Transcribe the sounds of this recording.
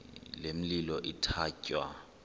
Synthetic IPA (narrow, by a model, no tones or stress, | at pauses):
lem̩lilɔʔitʰaːcʼwa̰